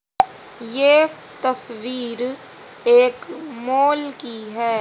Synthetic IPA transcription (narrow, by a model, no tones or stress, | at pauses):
jeː | t̪ɐsʋiːɾ | eːkmoːlkiɦɛː